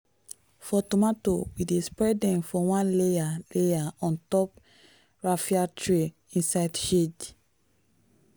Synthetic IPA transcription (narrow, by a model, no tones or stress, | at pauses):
fɔtomato̰widespɹɛdɛ̃mfɔwãnlejalejaɔ̃ntɔp | ɹafiatʰɹe | ĩnsaɪdʃed